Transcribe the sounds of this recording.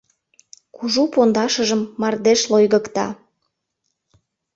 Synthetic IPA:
kuʒupond̪ɑʃəʒəmːɑrd̪eʃlojɣəkt̪ɑ̰

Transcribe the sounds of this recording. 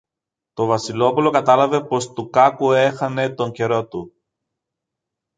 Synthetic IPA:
t̪o̞vɐsilo̞pulo̞kɐt̪ɐlɐve̞po̞st̪ukɐkue̞xɐne̞t̪o̞ɲce̞ɾo̞t̪u

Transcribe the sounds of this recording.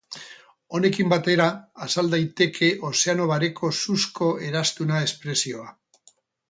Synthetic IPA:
o̞ne̞kimbat̪e̞ɾaːsald̪ajt̪e̞kʰe̞ʔose̞ano̞βaɾe̞kʰo̞suskʰo̞e̞ɾast̪unae̞spɾe̞sio̞a

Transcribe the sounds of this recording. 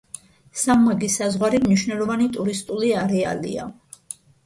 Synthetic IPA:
sammaɡisazʁwaɾimniʃwnɛlˠɔvanit̪ʼuɾist̪ʼuliaɾɛa̰lḭa̰

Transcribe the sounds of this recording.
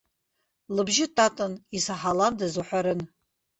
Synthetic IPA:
lɨbʒɪtʰʼatʼɨnisaħalandazuħʷaɾɨn

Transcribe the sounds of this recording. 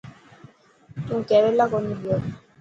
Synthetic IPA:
tuŋ̩kɛɾɛlakɔniljɔ

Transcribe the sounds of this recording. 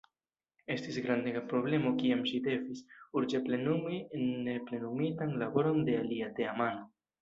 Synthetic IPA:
e̞stisɡɾand̪eɡapɾo̞ble̞mo̞kiamʃid̪e̞visuɾd͡ʒeple̞numienːe̞ple̞numitanlabo̞ɾo̞nde̞aliat̪e̞amano̞

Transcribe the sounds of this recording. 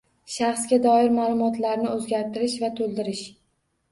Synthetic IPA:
ʃaχsɡʲad̪ɒɪɾmaːlˠʊmɒt̪laɾnɪɵzɡʲaɾt̪ɪɾɪʃvat̪ʰolˠd̪ɪɾɪʃ

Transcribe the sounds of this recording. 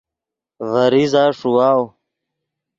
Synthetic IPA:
vəɾizaːʂuwaːw

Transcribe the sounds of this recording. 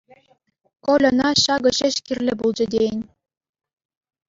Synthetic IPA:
kolʲɤ̆nɑɕɑɣɤ̆ɕeɕkirlʲɘ̆bulˠd͡ʑĕd̪ʲeenʲ

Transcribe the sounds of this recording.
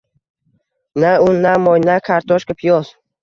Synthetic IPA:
naʊnːamɔjnakʰaɾt̪ʰɔʃkapʰijɔz

